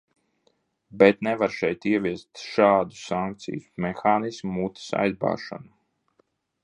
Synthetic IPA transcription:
bɛt̪nɛvaɾʃɛjt̪iɛviɛst̪ʃaːd̪u̥saŋk̚t̪sḭjusmɛxaːnismumut̪i̥sa̰jzba̰ːʃa̰nu

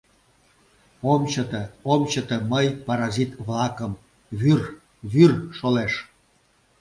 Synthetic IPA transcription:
omt͡ɕət̪əomt͡ɕət̪əməjpɑɾɑzit̪βlɑkəm | βyr | βyrʃoleʃ

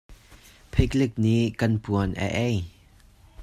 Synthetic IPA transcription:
pʰɛklɪk̚niʔkɐnpuənʔə̰ʔɛj

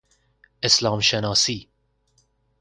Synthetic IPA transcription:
ɪslɑːmʃɛnɑːsiː

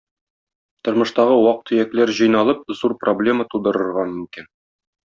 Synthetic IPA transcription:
t̪ŏɾmɤ̆ʃt̪ɑʁɤwɑq̚t̪ʰːɵ̆jæklæɾʑɤ̆jnɑlˠɤp̚zuɾproblʲe̞mət̪ud̪ɤ̆ɾɤ̆ɾʁɑmɵ̆mkin

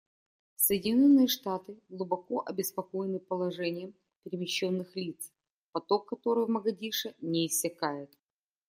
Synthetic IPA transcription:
səjɪdʲɪnʲo̞nːɨjəʂt̪at̪ɨɡlˠʊbɐko̞ʔɐbʲɪspɐko̞jɪnɨpəlˠɐʐɛnʲɪjəm | pʲɪɾʲɪmʲɪɕːonːɨxlʲit̪s | pɐt̪o̞kːɐt̪o̞ɾɨvməɡɐdʲiʂənʲɪːsʲːɪkajɪt̪

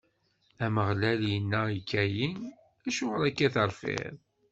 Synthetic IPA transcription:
æməʁlæljənːæikːæjin | æʃʊʁɾækːæθəɾˤfɪ̰ðˤ

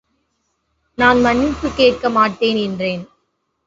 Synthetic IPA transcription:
naːnmɐnːɪpːɯkeːʈ̚kɐmaːʈːeːnɛndreːn

